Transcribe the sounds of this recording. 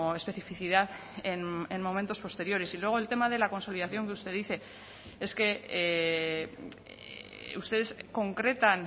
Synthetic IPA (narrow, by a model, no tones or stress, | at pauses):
e̞spe̞θifiθiðaðenenmːo̞ment̪o̞spo̞st̪e̞ɾjo̞ɾesilwe̞ɣ̞oe̞lt̪e̞mað̞e̞lako̞nso̞liðaθjo̞ŋkeust̪e̞ðiθe̞ | e̞ske̞ | ust̪e̞ðe̞sko̞ŋkɾe̞t̪an